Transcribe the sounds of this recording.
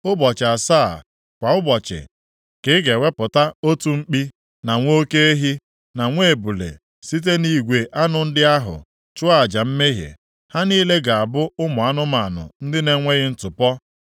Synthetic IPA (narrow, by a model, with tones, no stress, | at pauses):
ʊ˦bɔ˨t͡ʃɪ˨a˨saː˦˨ | kʷa˨ʊ˦bɔ˨t͡ʃɪ̰˨ | kɪ˨˦ɡe˨we˦pʊ˨ta˦o˦tu˦ŋ͡m̩˦k͡pi˦ | na˨ŋʷo˦ke˦e˦ɦi˦ | na˨ŋʷe˦˨bu˨lḛ˨ | si˦t̬e˦ni˦ɡʷe˨ʔa˦nʊ˨n̩˦dɪ˦a˦ɦʊ̰˨ | t͡ʃʊ˦a˦˨d͡ʒa˨m̩˦me˦ɦjḛ˨ | ha˦niː˦le˦ɡa˨a˨bʊ˦ʊ˦mʊ˨a˦nʊ˦ma˨nʊ̰˨n̩˦dɪ˦ne˨ŋʷe˦ɣɪ˦n̩˦tʊ˨pɔ˦